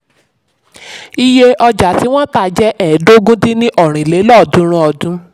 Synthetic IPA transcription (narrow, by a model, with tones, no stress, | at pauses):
i˧je˧ʔɔ˧d͡ʒa˨ti˨˦w̃ɔ̃˦taː˦˨d͡ʒɛ˦ʔɛ˨˦do˦ɡũ˦ti˦nĩ˦ʔɔ˦˨ɾ̃ĩ˨le˨˦lɔ˦˨dũ˦ɾ̃ũ˧˦ɔ˧dũ˦